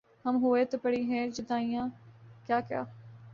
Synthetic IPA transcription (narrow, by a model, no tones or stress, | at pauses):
hɐmɦʊeːt̪opəɽiːɦɛ̃ːd͡ʒɪd̪aːĩjãːkjaːkja̰ː